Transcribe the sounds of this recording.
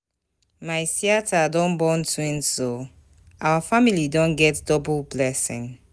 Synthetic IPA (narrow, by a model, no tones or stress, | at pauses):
maɪsiatʰadɔ̃nbɔ̃ntwĩnso | ʔawafamilidɔ̃nɡɛtdɔblblɛsḭ̃ŋ